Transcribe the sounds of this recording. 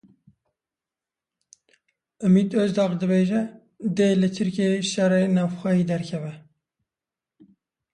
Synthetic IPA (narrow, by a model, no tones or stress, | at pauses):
ɨmiːd̪øzd̪ɑːqd̪ɨbeːʒɛ | d̪elɨt̪ʰɨɾkʲeʃɛreːnɑːvxʷɛjiːd̪ɛɾkʰɛvɛ